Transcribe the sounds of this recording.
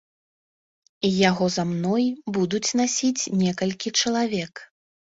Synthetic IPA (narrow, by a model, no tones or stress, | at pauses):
ijaɣɔzamnɔjbud̪ut͡sʲnasʲit͡sʲnʲɛkɐlʲkʲit͡ʂɐlˠavʲɛk